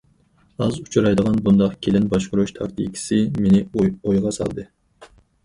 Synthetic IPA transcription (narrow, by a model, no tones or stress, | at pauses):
ɑzut͡ʃʰɾɑjd̪əʁɑnbund̪ɑqkʲʰelɪnbɑʃqʊɾuʃt̪ʰɑ̰kt̪ʰḭkʲʰi̥sɪmenɪojʁɑsɑ̰lˠd̪ɨ